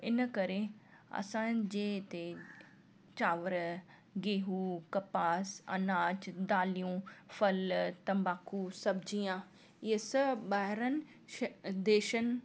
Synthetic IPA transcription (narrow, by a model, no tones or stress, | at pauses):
ɪnəkɐɾeɐ̰sãːnd͡ʑeːt̪e | t͡ʃaːʋəɾ | ɡeːɦuːkɐpaːsɐ̰naːt͡ʃd̪aːlijũfɐlt̪ɐ̃mbaːkʰusɐbd͡ʑijãː | ɪəsɐbaːɦɪɾənɪ̆ | d̪eːʃənɪ̆